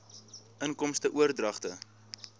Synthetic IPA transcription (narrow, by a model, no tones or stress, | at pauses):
ʔənkɔmstəʔuərdrɐχtə